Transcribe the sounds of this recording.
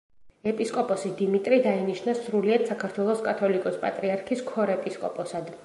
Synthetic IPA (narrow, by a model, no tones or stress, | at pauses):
ɛpʼiskʼɔpʼɔsid̪imit̪ʼɾid̪ainiʃnasɾuliɛdt̪sakʰaɾt̪ʰwɛlˠɔskʼat̪ʰɔlikʼɔspʼa̰t̪ʼɾiaɾkʰiskʰɔɾɛpʼiskʼɔpʼɔsad̪